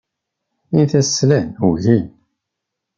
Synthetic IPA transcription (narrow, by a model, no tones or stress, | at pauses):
inθæslænuʝin